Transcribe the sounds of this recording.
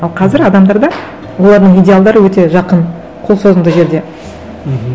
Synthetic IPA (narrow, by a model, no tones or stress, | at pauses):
ɑlˠqʰɑzɪɾɑd̪ɑmd̪ɑɾd̪ɑ | wo̞lˠɑɾd̪əɴijdʲealˠd̪ɑɾəwɵt̪e̞ʒɑqən | qʰo̞lˠso̞zənd̪əʒe̞ɾd̪e̞